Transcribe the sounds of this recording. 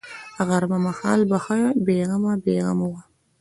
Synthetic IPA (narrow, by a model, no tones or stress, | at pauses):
aɣaɾmamahɑːlbaxabeɣamabeɣa̰mawa